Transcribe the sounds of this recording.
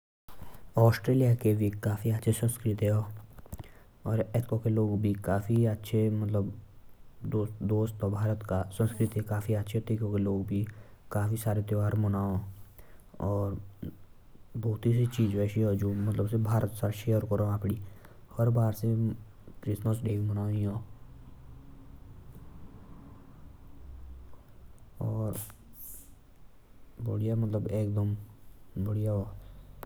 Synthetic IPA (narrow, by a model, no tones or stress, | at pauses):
ɔːsʈɾeːlijakebʱikaːfiətːʃʰesə̃nskɾɪt̪ɦɛɦoː | ɔːɾɛt̪kõkeloːɡbʱikaːfiətːʃʰemət̪ləb | d̪oːd̪oːst̪ɔbʱaːɾət̪kasə̃nskɾɪt̪ɦekaːfiətːʃʰet̪ekõkeloːɡbʱikaːfʰisaːɾet̪joʋaːɾmʊnaːõ | ɔːɾ | bɔːʊt̪iset͡ʃiːd͡ʒʋɛːsiɦod͡ʒoːmət̪ləbsebʱaːɾət̪saʃejəɾkəɾoaːpɽi | həɾbaːɾse | kɾɪsməsɖeːkmənaːiɦõː | ɔːɾ | bəɽijamət̪ləbeːk̚d̪əm | bəɽija